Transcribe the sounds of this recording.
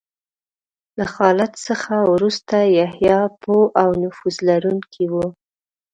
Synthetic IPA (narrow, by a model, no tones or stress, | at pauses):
laxɑlat̪səxawɾust̪ajahjɑpʰoʔawnʊfuzlaɾuŋkʰiwu